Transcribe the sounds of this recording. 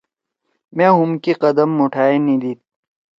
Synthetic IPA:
mẽːɦumkiqɐd̪ɐmːoʈʰaːenid̪iːt̪̚

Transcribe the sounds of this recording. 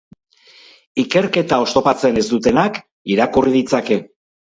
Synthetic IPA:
ike̞ɾke̞t̪ao̞st̪o̞pat͡se̞ne̞zd̪ut̪e̞nak | iɾakuriðit͡sake̞

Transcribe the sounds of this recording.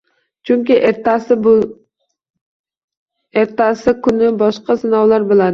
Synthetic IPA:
t͡ʃʰʊŋʲkʲɪʔeɾt̪asɪb | eɾt̪asɪkʰʊnɪbɒʃqɑsɪnɒwlˠaɾbolˠad̪ɪ

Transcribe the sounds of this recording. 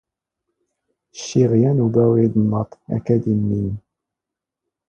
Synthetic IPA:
ʃːiʁjænubæwid̪nːɑt̪ˤæ̰kæd̪imːin

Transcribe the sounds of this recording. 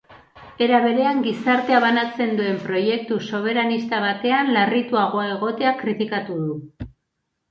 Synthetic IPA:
e̞ɾaβe̞ɾe̞aŋɡisaɾt̪e̞aβanat͡se̞nd̪ue̞mpɾo̞je̞k̚t̪uso̞β̞e̞ɾanist̪aβat̪e̞anlarit̪uaɣ̞o̞ae̞ɣ̞o̞t̪e̞akɾit̪ikat̪uðu

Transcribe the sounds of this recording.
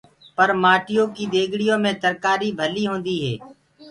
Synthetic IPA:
pəɾmaːʈɪjõːkiːd̪eːɡʱɽɪjõːmẽːt̪əɾkaːɾiːbʱəliːɦõːnd̪iːɦɛ̰ː

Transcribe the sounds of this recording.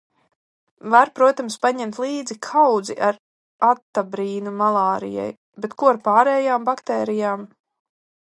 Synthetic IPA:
vaɾpɾuɔt̪amspaɲɛmt̪lˠiːd̪zikʰawd̪zḭʔaɾ | at̪ːabɾiːnumalˠaːɾḭja̰j | bet̪kuaɾpaːɾɛːjaːmbakt̪ɛːɾijaːm

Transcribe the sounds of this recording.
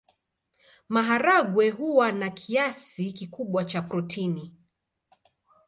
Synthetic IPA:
maɦaɾaɠwɛɦuwanakʰiasikikuɓwat͡ʃapɾɔtʰini

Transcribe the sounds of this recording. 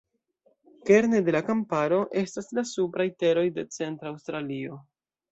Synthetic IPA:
ke̞ɾnede̞lakampaɾo̞ʔe̞staslasupɾajte̞ɾo̞jde̞t͡se̞ntɾawstɾalio̞

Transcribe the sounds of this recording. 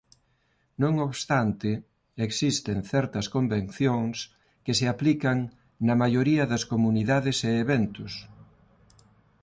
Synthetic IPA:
nõŋoβst̪ant̪ɪ | eksist̪eŋθɛɾt̪ɐskombẽnθjoŋs | keseaplikɐŋ | nɐmajoɾiɐðɐskomuniðaðɪseːβɛnt̪ʊs

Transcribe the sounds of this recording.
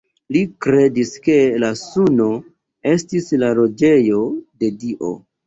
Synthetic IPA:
likɾe̞diske̞lasuno̞ | e̞stislaɾo̞d͡ʒe̞jo̞de̞diʔo̞̰

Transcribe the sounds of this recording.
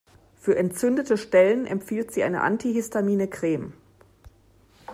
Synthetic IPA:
fyːɐʔɛntt͡sʏndətəʃtɛlənʔɛ̰mfiːltz̥iːʔaɪnə̰ʔa̰ntiɦɪstamiːnəkʁ̥eːm

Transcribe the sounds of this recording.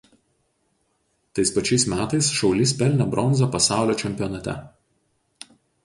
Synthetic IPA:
t̪ɐɪspɐt͡ʃʲɛɪsmʲæːt̪ɐɪsʃɒʊlʲɪspʲɛlʲˑnʲɛbɾʔɔnzopɐsɑˑʊlʲoːt͡ʃʲɛmʲpʲɪjɔnɐt̪ʲɛ̰

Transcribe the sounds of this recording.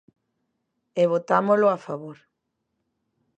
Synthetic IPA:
eβ̞ot̪amolʊafaβoɾ

